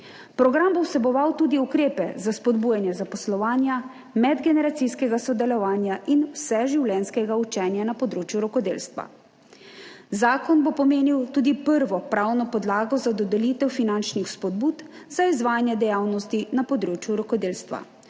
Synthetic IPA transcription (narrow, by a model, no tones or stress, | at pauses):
pɾɔɡɾambowsɛbɔʋawt̪uːd̪iukɾeːpɛ̰zaspɔd̪bujanjɛzapɔslɔʋaːnja | mɛd̪ɡɛnɛɾat̪sijskɛɡasɔd̪ɛlɔʋaːnjaʔinwsɛʒiwlɛnskɛɡaut͡ʃɛːnjanapɔd̪ɾoːt͡ʃjuɾɔkɔd̪eːlst̪ʋa̰ | zaːkɔnbopɔmeːniwt̪uːd̪ipəɾʋɔpɾawnɔpɔd̪laːɡɔzad̪ɔd̪ɛliːt̪ɛwfinant͡ʃnixspɔd̪̚buːt̪ | z̥aizʋaːjanjɛd̪ɛjaːwnɔst̪inapɔd̪ɾoːt͡ʃjuɾɔkɔd̪eːlst̪ʋa̰